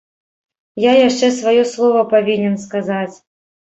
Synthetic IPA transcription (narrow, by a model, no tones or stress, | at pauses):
jajaʂt͡ʂɛsvajɔslˠɔvɐpavʲinʲɛnskazat͡sʲ